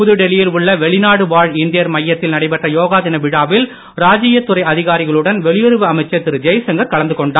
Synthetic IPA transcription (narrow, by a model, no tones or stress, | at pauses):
pʊðɯɖɛlɪjɪlʊɭːɐʋɛɭɪnaːɽɯʋaːɻɪnd̪ɪjɐɾmɐjːɐt̪ːɪlnɐɽɐɪpɐʈrɐjoːɣaːðɪnɐʋɪɽaːʋɪl | ɾaːd͡ʒɪjɐt̪ːʊɾɐɪɐðɪɣaːɾɪɣɐɭɯɽɐnʋɛɭɪjɔɾɯʋɯɐmɐɪt͡ʃːɐt̪ːɪɾɯd͡ʒɐjsɐŋɡɐɾkɐlɐnd̪ɯkɔɳɖaː